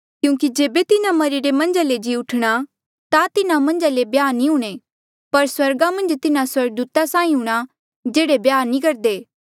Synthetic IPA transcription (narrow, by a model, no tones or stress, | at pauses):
kjũːkid͡ʒeːbet̪ɪnamɐɾiɾemɐ̃nd͡ʒaled͡ʒiːʊʈʰɽ̃a | t̪at̪ɪnamɐ̃nd͡ʒalebjaːnĩɦuːɽ̃e | pɐɾswɐɾɡamɐ̃nd͡ʒt̪ɪnãswɐɾɡ̚d̪uːt̪asãːĩɦʊɽ̃a | d͡ʒeːɽebjaːnĩkɐɾd̪eː